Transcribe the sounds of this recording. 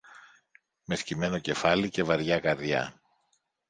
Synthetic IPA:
me̞scime̞no̞ce̞fɐlice̞vɐɾʝɐkɐɾðjɐ̰

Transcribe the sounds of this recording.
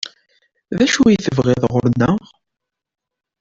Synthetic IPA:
ðæʃujθəvʁɪðˤʁʊɾənːəʁ

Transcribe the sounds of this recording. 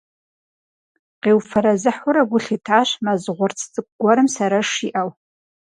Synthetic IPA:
qewfaɾazɨħuɾaɡʷʊɬitʰaʃmazʁʷʊrt͡sʰd͡zʼɨk̚ʷʼɡʷaɾɨmsaɾaʂiʔaw

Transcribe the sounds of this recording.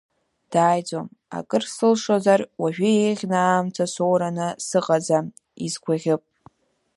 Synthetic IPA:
d̥aːjd͡zoma̰kʼɨrsɨlʂozarwaʒᶣʏeʁʲnaːmt͡sʰasowɾanɨsɨqʼad͡za | izɡʷʰaʁʲɪpʼ

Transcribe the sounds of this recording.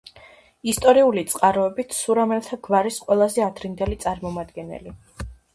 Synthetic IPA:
ist̪ʼɔɾiulit̪sʼqʼaɾɔɛbit̪ʰsuɾamɛlˠt̪ʰaɡvaɾisqʼwɛlˠazɛad̪ɾind̪ɛlit̪sʼaɾmɔmad̪ɡɛnɛ̰li

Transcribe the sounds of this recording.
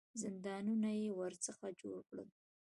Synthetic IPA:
zɪnd̪ɑnunajewəɾt͡səxad͡ʒoɽkɽə̰l

